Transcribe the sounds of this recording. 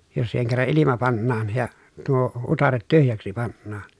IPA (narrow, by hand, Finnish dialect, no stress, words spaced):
jos siːheŋ kerːɑ ʔilimɑ pɑnːɑːn jɑ tuo utɑret tyhjæksi pɑnːɑːn